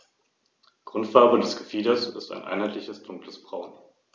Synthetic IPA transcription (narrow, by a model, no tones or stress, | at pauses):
ɡ̥ʁʊntfaɐbədɛsɡ̥əfiːdɐsɪ̰sta̰ɪnʔa̰ɪnhaɪtlɪçəsd̥ʊŋkləsb̥ʁaʊn